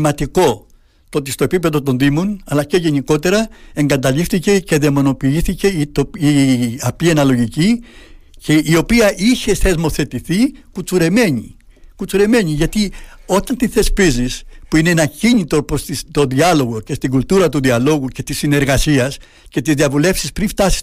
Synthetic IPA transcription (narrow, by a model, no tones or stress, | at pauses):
mɐt̪iko̞ | t̪oo̞t̪̬ist̪oepipe̞ðo̞t̪o̞nðimo̞nɐlɐce̞ʝe̞niko̞t̪e̞ɾɐe̞ŋɡɐt̪ɐʎift̪ice̞ce̞ðemo̞no̞piiθice̞it̪oiɐpienɐlo̞ʝici | ceio̞piɐʔiçe̞θe̞zmo̞θe̞t̪iθikut͡suɾe̞me̞ɲḭ | kut͡suɾe̞me̞ɲiʝɐt̪io̞t̪ɐnt̪iθe̞spizispuineenɐciɲit̪oposist̪o̞ðiɐlo̞ɣo̞ce̞st̪iɡult̪uɾɐt̪uðiɐlo̞ɣuce̞t̪isine̞ɾɣɐsiɐs | ce̞t̪izðiɐvule̞fsispɾinft̪ɐsi̥